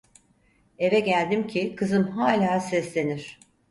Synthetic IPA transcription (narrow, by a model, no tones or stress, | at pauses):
e̞vɛɟælʲd̪imcʰikʰɯzɯmɦaːlʲaːsɛslʲe̞niɾ̥